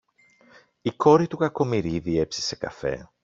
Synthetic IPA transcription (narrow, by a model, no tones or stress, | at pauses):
iko̞ɾit̪ukɐko̞miɾiðie̞psi̥se̞kɐ̰fe̞̰